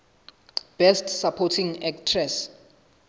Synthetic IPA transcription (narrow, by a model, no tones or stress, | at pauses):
b̥ɛstsapʰɔtʰiŋɛk̚tʰrɛs